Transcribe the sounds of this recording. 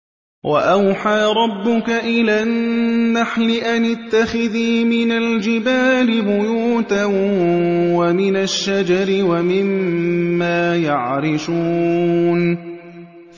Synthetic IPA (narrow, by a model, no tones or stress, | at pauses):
wʔa̰ʔawħaːɾˤɑbːʊkaʔɪlanːaħlɪʔanɪt̪ːaxɪðiːmɪnald͡ʒɪbaːlɪbʊjuːt̪a | wamɪnaʃːad͡ʒɑɾɪwamɪmː | aːjaʕɾɪʃuːn